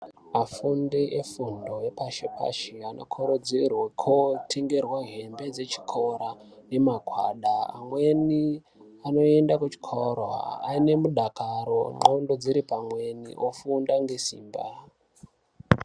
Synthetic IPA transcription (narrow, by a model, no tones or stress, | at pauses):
mafundeʔefundoepaʃepa̰ʃiano̰kʰoɾod͡zirwakʰotʰe̞ŋɡe̞rwaɦe̞mbe̞d͡ze̞t͡ʃi̥kʰo̞ɾane̞maɡʱwa̰ɗa̰ːmweni | ano̞e̞ndakut͡ʃi̥kʰorwa̰ːine̞muɗakaɾo̞ŋ͡ǃondo̞d͡ziɾipamwe̞nḭʔofundaŋɡe̞sḭːmba